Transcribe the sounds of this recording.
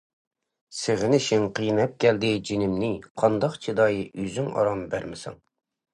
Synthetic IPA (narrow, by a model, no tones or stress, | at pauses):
sɪʁɪnɪʃɪŋqʰijnɛp̚kʲʰɛld̪ɪd͡ʒinɪmnɪqʰɑnd̪ɑqt͡ʃʰid̪ɑjʔyzyŋɑ̰ɾɑmbæɾmɪsɑ̰ŋ